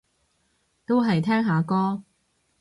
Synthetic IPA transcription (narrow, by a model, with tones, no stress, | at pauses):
t̪o˥wɦɐ˨jt̪ʰɛː˥ŋɦaː˨˧kɔː˥